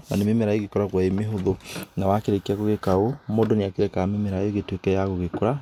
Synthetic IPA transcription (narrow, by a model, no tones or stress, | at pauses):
na̰nememeɾaeɣekɔɾaɣwaemeɦoðonawakeɾekeaɣoɣekaomoːndoneakeɾɛkamemeɾaeɣetwekɛjaɣoɣekoɾa